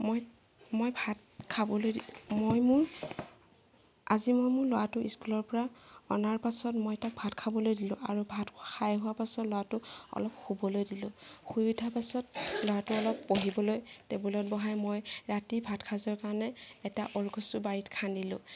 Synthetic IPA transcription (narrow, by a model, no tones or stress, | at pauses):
moj | mojbʱat̚ | kʰabɔlojdimojmuɹ | a̰zimojmʊɹlɔwatʊḭskulɔɹpɔɹaɔnaɹpasɔtmojtak̚bʱatkʰabɔlojdilʊ̃ʔa̰ɹubʱatkʰajɦʊwapasɔtlɔwatʊɔ̰lɔpxubɔlojdilʊ̰̃xujudʱapasɔtlowatʊɔlɔpːoɦibɔlojtɛbulɔt̚bɔɦajmojɹatibʱatkʰazɔɹkaɹɔnɛɛtaʔɔlɡʱɔsubaɹitkʰandilʊ̰̃